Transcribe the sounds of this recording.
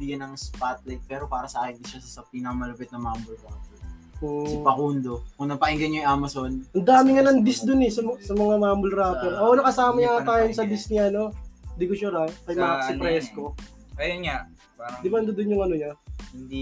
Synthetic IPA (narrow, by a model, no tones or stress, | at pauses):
biɡɐnɐŋspat̪̚lɐk̚pɛːɾopaːɾɐsɐʔaːkɪnd̪ɪʃasɐsɐpiːnɐkɐmɐlɐpɛt̪̚nɐmambʊlɾaːpo | ɪpɐkund̪o̞kʊŋnɐpɐʔɪŋɡɐɲɲojʔaːmɐsonʔɐnd̪aːmɪŋɐnɐŋd̪ɪsd̪ʊnɛsɐsɐmɐŋamaːmbʊlɾaːponʔoʔonɐkɐsaːmɐɲat̪aːjonsɐd̪ɪsɲaɐno̞nd̪iːkʊt͡ʃuɾakɐjmakɐsɪpɾɛːsko̞ | ʔɐjonɲa | aɐd̪ɪbaɐnd̪ʊd̪ʊnjʊŋʔɐnoɲahɪnd̪i